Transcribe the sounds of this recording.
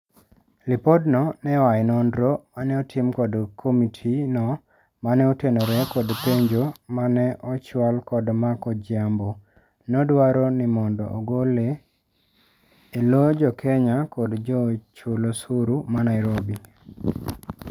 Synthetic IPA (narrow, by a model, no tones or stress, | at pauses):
lɪpodnɔnɛwajnɔndɾomanɛɔtʰɪmkɔdkʰomitʰinɔ | manɛɔtenoɾɛkɔdpeɲd͡ʒomanɛʔɔt͡ʃwalkɔdmakɔd͡ʒambo | nɔdwaɾonɪmɔndɔ̰ʔːɡole | lod͡ʒɔkʰɛɲakɔdd͡ʒɔt͡ʃulosuɾumanaɪɾobi